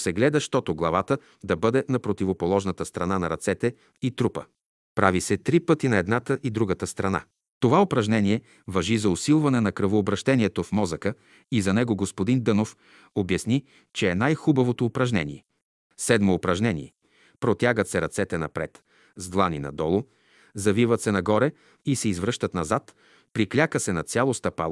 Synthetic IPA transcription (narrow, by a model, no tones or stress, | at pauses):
sɛɡlɛd̪əʃt̪ɔt̪oɡlˠɐvat̪ə | d̪ɐbɤd̪ɛnɐpɾot̪ivopolˠɔʒnət̪əst̪ɾɐnanɐɾɐt̪sɛt̪ɛ | it̪ɾupə̰ | pɾavisɛt̪ɾipɤt̪inɐɛd̪nat̪əʔid̪ɾuɡət̪əst̪ɾɐna̰ | t̪ovaopɾɐʒnɛniɛ | vɐʒizɐʊsilˠvɐnɛnɐkɾəvoːbɾɐʃt̪ɛniɛt̪ofmɔzəkə | izɐnɛɡoɡospod̪ind̪ɤnof | objɐsni | t͡ʃɛːnajxubɐvot̪oːpɾɐʒnɛ̰nḭɛ | sɛd̪moːpɾɐʒnɛnḭɛ | pɾot̪ʲjaɡət̪sɛɾɐt̪sɛt̪ɛnɐpɾɛ̰t̪ | zd̪lˠaninɐ̰d̪ɔlˠo | zɐvivət̪sɛnɐɡɔɾɛ | isɛizvɾɤʃt̪ət̪nɐzat̪ | pɾiklʲakəsɛnɐt̪sʲalˠost̪ɐpa̰l